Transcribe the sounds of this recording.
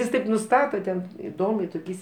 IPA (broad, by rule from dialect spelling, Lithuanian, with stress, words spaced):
ɪs ˈtɐɪp nʊˈstɑːtɐ tʲɛn ɪˈdoːmʲɛɪ toːˈkʲɛɪs